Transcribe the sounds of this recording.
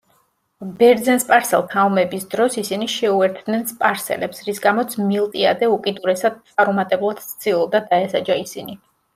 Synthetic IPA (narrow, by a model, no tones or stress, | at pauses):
bɛɾd̪zɛnspʼaɾsɛ̰lˠt̪ʰaumɛbisd̪ɾɔsisiniʃɛuɛɾt̪ʰd̪nɛnspʼaɾsɛ̰lɛpsɾisɡamɔt̪sʰmilˠt̪ʼia̰d̪ɛukʼid̪uɾɛsad̪̥̚t̪sʼaɾumat̪ʼɛblˠad̪̥sst̪silˠd̪ad̪aɛsad͡ʒaisini